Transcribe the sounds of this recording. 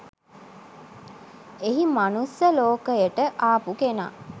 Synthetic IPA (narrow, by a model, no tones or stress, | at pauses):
eɦimanusjəloːkəjəʈəʔaːpukena̰ː